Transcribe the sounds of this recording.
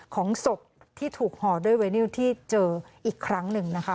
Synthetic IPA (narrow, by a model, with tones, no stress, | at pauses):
kʰɔː˩˦ŋso˨˩p̚ | t̪ʰiː˥˩t̪ʰuː˨˩k̚hɔː˨˩duː˥˩jweː˧niː˥˩wt̪ʰiː˥˩t͡ɕɤː˧ʔiː˨˩kʰɾa˦˥ŋnɯ˨ŋna˦˥kʰa˦˥